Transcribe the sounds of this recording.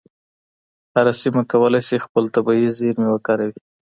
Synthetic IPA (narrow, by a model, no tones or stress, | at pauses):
haɾasimakawəlajsixpəlt̪abɑizeɾmewakaɾawi